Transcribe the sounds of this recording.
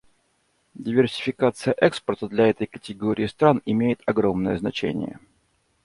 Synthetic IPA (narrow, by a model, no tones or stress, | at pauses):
dʲɪvʲɪrsʲɪ̥fʲɪkat̪sɨjəʔɛkspərt̪əd̪lʲɐɛt̪əjkətʲɪɡoɾʲɪːst̪ɾanɪmʲejɪt̪ɐɡɾomnəjəznɐt͡ɕḛnʲɪ̰jə̰